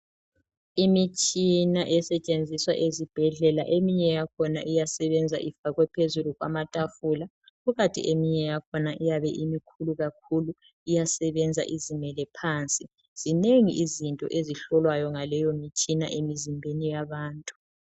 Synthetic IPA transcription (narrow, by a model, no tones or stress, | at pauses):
imit͡ʃʼinaʔɛsɛt͡ʃʼend͡zʱiswa̰ʔezib̥ʱɛɮɛla̰ʔemiɲɛjakʰɔna̰ʔijasɛβɛnd͡zʱa̰ʔifaɣwɛpʰezuluɣwa̰matʼafula | ɣuɣatʼḭʔemiɲɛjakʰɔnaʔijaβɛʔimikʰuluɣak̚ʰulu | ijasɛβɛnd͡zʱa̰ʔizimɛlɛpʰaːnt͡sʼi | z̥ineŋḭʔizintʼɔ̰ʔeziɬɔlwajɔŋalɛjomit͡ʃʼina̰ʔemizimbʱenijaβaːntʼu̥